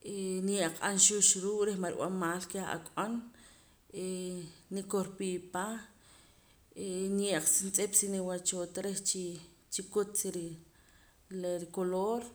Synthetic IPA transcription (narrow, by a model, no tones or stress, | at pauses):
ʔenjeʔqʼanʃuʃɾuːʔʼɾehmaɾw̰a̰maːlkea̰kʼan | enikoɾpipa | enjeʔq͡χsint͡sʼepsiniwat͡ʃoːt̪ɾeht͡ʃi | t͡ʃikut͡s̪iɾi | leɾikoloɾ